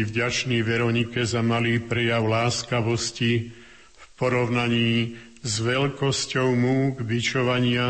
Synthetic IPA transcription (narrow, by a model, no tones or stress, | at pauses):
vɟat͡ʃniːʋɛɾɔɲikɛzamaliːpɾɛjaʊlaːskaʋɔsci | fpɔɾɔʊnaɲiː | zʋɛʎkɔscɔʊmuːɡbit͡ʃɔʋaɲɪa